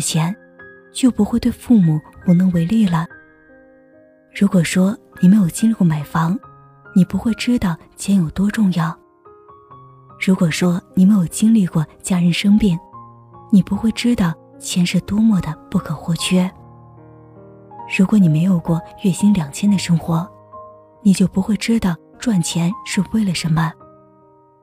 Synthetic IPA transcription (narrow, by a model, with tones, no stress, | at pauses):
t͡ɕʰjɛ˧˥n | t͡ɕjo˥˩ʊpu˧˥xwe˥˧ɪt̪we˥˧ɪfu˥˩mu˨˩pu˥˩nɤ˧˥ŋwe˧˥ɪli˥˩lə˩ | ɻu˧˥kwɔ˨˩ʂwɔ˥ni˨˩me˧˥ɪjo˨˩ʊt͡ɕi˥li˥˧kwɔ˥˩ma˨˩ɪfɑ˧˥ŋ | ni˨˩pu˧˥xwe˥˧ɪʈ͡ʂɻ̩˥t̪ɑ˥˩ʊt͡ɕʰjɛ˧˥njo˨˩ʊt̪wɔ˥ʈ͡ʂʊ˥˧ŋjɑ˥˩ʊ | ɻu˧˥kwɔ˨˩ʂwɔ˥ni˨˩me˧˥ɪjo˨˩ʊt͡ɕi˥ŋli˥˧kwɔ˥˩t͡ɕja˥ɻə˧˥nʂɤ˥ŋpi˥˩ŋ | ni˨˩pu˧˥xwe˥˩ɪʈ͡ʂɻ̩˥t̪ɑ˥˩ʊ | t͡ɕʰjɛ˧˥nʂɻ̩˥˩t̪wɔ˥mwɔ˥˩d̪ə˩pu˥˩kʰɤ˨˩xwɔ˥˩t͡ɕʰɥɛ˥ | ɻu˧˥kwɔ˧˥ni˨˩me˧˥ɪjo˨˩ʊkwɔ˥˧ɥɛ˥˩ɕi˥nljɑ˨˩ŋt͡ɕʰjɛ˥nd̪ə˨ʂɤ˥ŋxwɔ˧˥ | ni˨˩t͡ɕjo˥˩ʊpu˧˥xwe˥˩ɪʈ͡ʂɻ̩˥t̪ɑ˥˩ʊ | ʈ͡ʂwa˥˩nt͡ɕʰjɛ˧˥nʂ̩˥˧we˥˩ɪlə˩ʂə˧˥nmə˧